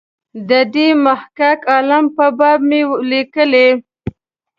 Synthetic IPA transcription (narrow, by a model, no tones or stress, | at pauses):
d̪əɖemahkakɑlampəbɑb̚melikəle